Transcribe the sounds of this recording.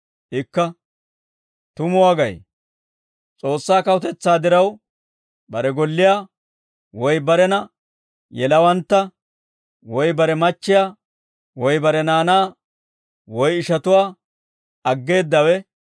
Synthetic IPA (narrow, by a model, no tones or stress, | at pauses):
ʔɪkːɐ | t̪ʊmʊwaːɡɐ̰j | t͡sʼo̞ːsːaːkɐwʊt̪ɛt͡sːaːd̪ɪɾɐw | bɐɾɛɡɔlːɪjaː | wɔjbɐɾɛnɐ | jɛlɐwɐnt̪ːɐ | wɔjbɐɾɛmɐt͡ʃːɪjaː | wɔjbɐɾɛnaːnaː | wɔjɪʃɐt̪ʊwaː | ɐɡːe̞ːd̪ːɐwɛ